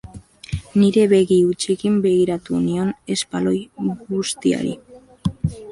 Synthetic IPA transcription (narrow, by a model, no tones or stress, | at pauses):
niɾe̞βe̞ɣiut͡ʃekimbe̞ɣ̞iɾat̪unio̞ne̞spalo̞jɣust̪ia̰ɾḭ